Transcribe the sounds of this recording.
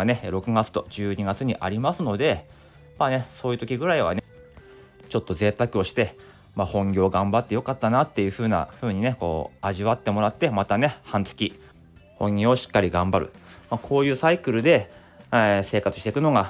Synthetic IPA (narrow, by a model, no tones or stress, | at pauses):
ane̞ɾo̞kɯ̟ɡat͡sɨ̥t̪o̞̰d͡ʑɨːɲ̟iɡat͡sɨɲ̟iʔa̰ɾʲimasɨno̞d̪e̞ | maːne̞so̞ːjɯ̟t̪o̞kʲiɡɯ̟ɾaiβa̰ne | t͡ɕo̞t̪ːo̞ze̞ːt̪akɯ̟o̞ɕi̥t̪e̞ | maːhõ̞ŋɡʲo̞ːɡãmbat̪ːe̞jo̞kat̪ːanat̪ːe̞jɯ̟ɸɯ̟ːna̰ɸɯ̟ːɲ̟ine̞ko̞̰ːaʑiβat̪ːe̞mo̞ɾat̪ːe̞mat̪ane̞hãnt͡sɨ̥kʲi | hõ̞ŋɡʲoːɕi̥kːaɾʲiɡãmbaɾɯ̟̰maːkʰo̞ːjɯ̟ːsaikɯ̟ɾɯ̟d̪e̞ | se̞ːkat͡sɨ̥ɕi̥t̪ekɯ̟no̞ɡa